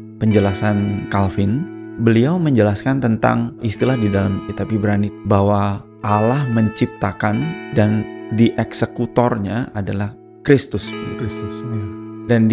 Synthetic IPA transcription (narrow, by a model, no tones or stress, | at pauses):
pəɲd͡ʒəlasankalfɪn | bəliawməɲd͡ʒəlaskant̪ənt̪a̰ŋʔist̪ilahdidalamkit̪apibəɾanibaɦwa | ʔalahməɲt͡ʃip̚t̪akandandiʔɛksəkut̪ɔrɲaʔadalah | kɾist̪ʊsssdan